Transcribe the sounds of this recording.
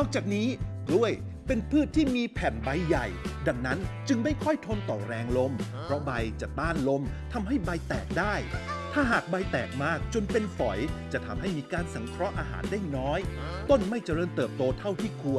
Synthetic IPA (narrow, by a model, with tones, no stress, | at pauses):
nɔː˥˩k̚t͡ɕaː˨˩k̚niː˦˥ | lu˥˩əj | pe˧npʰɯː˥˩t̪ʰːiː˥˩miː˧pʰɛː˨˩nba˧jːa˨˩jda˧ŋna˦˥nt͡ɕɯ˧ŋma˥˩jkʰɔ˥˩jt̪ʰo˧nt̪ɔː˨˩ɾɛː˧ŋlo˧mpʰɾɔ˦˥ba˧jt͡ɕa˨˩t̪aː˥˩nlo˧˥mt̪ʰa˧mɦa˥˩jba˧jt̪ɛː˨˩k̚daː˥˩jt̪ʰaː˥˩ɦaː˨˩k̚ba˧jt̪ɛː˨˩k̚maː˥˩k̚t͡ɕo˧npe˧nfɔ˩˦jt͡ɕa˨˩t̪ʰa˧mɦa˥˩jmiː˧kaː˧nsa˩˦ŋkʰɾɔ˦˥ʔaː˧ɦa̰ː˩˦ndaː˥˩jnɔː˦˥j | t̪o˥˩nma˥˩jt͡ɕa˨ɾɤː˧˩nt̪ɤː˨˩p̚t̪oː˧t̪ʰa˥˩wt̪ʰiː˥˩kʰu˧ən